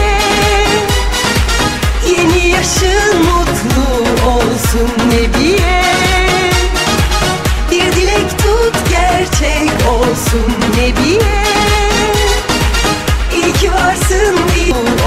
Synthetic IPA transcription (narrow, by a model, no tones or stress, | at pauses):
ɛ | jenijaʃɯmut̪lˠuolˠsunːebijɛ | biɾd̪ilʲɛct̪ʰut̪ɟæɾt͡ʃʰɛcolˠsunːebijɛ | ilʲcʰivaɾsɯmbi